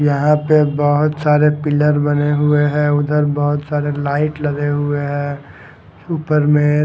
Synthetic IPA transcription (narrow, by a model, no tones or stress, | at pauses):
jɐɦãpebɐɦʊt̪saːɾepɪləɾbɐneɦʊeɦɛ̃ːʊd̪ʱəɾbəɦʊt̪saːɾelaːɪʈlɐɡeɦʊeɦɛ̃ | uːpəɾmẽ